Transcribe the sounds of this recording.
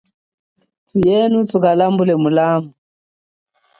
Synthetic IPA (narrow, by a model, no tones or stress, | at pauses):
tujɛnutukalambulɛmulamu